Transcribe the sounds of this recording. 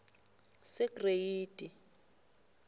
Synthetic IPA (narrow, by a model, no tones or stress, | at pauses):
sɛɡrejiːd̥ʱʼi